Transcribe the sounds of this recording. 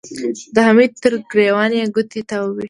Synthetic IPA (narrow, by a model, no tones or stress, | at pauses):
d̪əɦamid̪̚t̪əɾɡɾewɑneɡʊt̪it̪awəwi